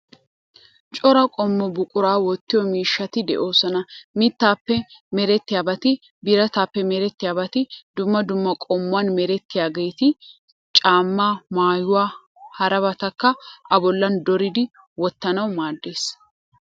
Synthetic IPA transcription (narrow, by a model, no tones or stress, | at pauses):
t͡ʃʼɔɾɐkʼɔmːɔbʊkʼʊɾaːwɔt̪ːɪjɔmiːʃːɐt̪ɪd̪ɛ̰ʔo̞ːsɔnɐmɪt̪ːaːpːɛmɛɾɛt̪ːɪjaːbɐt̪ɪ | bɪɾɐt̪aːpːɛmɛɾɛt̪ːɪjaːbɐt̪ɪd̪ʊmːɐd̪ʊmːɐkʼɔmːʊwɐnmɛɾɛt̪ːɪjaːɡɛjt̪ɪ | t͡ʃʼaːmːaːmaːjʊwaː | hɐɾɐbɐt̪ɐkːɐʔɐbɔlːɐnd̪ɔɾɪd̪ɪ | wɔt̪ːɐnɐwmaːd̪ːeːs